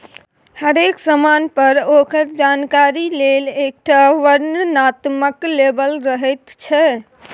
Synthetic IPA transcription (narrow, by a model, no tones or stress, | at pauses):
həɾeksəmanpəɾokəɾd͡ʒankaɾilelek̚ʈaʋəɾnnat̪məklebəlɾəɦɛt̪t͡ʃʰɛ